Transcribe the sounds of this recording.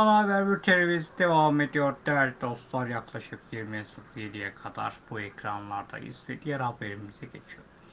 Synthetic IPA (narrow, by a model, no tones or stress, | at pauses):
alˠaːvæɾbiɾt̪ʰe̞lʲevizid̪e̞vame̞d̪ijoɾd̪æɾʲd̪ost̪lˠaɾjaklˠaʃɯpjiɾmiɛsɯfijelʲijɛkʰad̪a̰ɾ̥buecɾanlˠaɾd̪a̰jɯ̰z̥vɛ̰d̪ijɛɾhabe̞ɾimiz̥ɛɟe̞t͡ʃʰijo̞ɾuz̥